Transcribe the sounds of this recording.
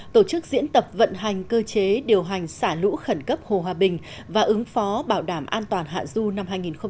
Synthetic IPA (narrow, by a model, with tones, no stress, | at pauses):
t̪o˧˩t͡ɕɨ˦˥k̚zḭ˧˥ənt̪ə˨˩p̚və̰˧˨nɦa˨˩jŋ̟kəː˧t͡ɕe˨˦ɗi˨˩əwɦa˨˩jŋ̟saː˧˩lṵ˧˥xə˧˩nkə˦˥p̚ho˨˩ɦwaː˨˩ɓï˨˩ŋ̟ | vaː˨˩ʔɨ˨˦ŋfɔ˨˦ɓaː˧˩wɗaː˧˩mʔaː˧nt̪waː˨˩nɦa̰ː˧˨zu˧na˧mɦaː˧jŋi˨˩nxə˧ŋ͡m